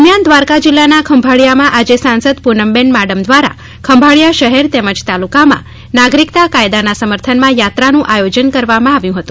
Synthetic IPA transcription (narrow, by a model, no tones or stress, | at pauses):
mjand̪ʋaɾkad͡ʒilːanakʰəmbʱaɭjamãʔad͡ʒesãnsəd̪punəmbenmaɽəmd̪ʋaɾa̰ | kʰəmbʱaɭjaʃəɦeɾt̪ɛməd͡ʒt̪alukamã̰ | naɡɾikt̪akajd̪anasəməɾt̪ʰənmãjat̪ɾanũʔajod͡ʒənkəɾʋamãaʋjũɦət̪ũ